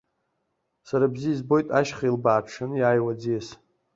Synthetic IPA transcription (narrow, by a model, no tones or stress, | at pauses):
saɾabziːzbo̞jtʼaʃχailbaːʈ͡ʂʰɨnjaːjwad͡zias